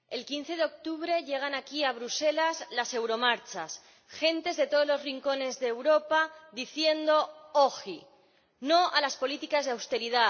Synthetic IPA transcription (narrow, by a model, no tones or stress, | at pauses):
e̞lkin̟θe̞ðeok̚t̪uβɾe̞ʎe̞ɣ̞anakiaβɾuse̞lazlase̞wɾo̞maɾt͡ʃas | xe̞nt̪e̞zðe̞t̪o̞ðo̞zlo̞zriŋko̞ne̞zðeːwɾo̞paðiθje̞nd̪o̞oxi | no̞ʔalaspo̞lit̪ikazðeawst̪e̞ɾiða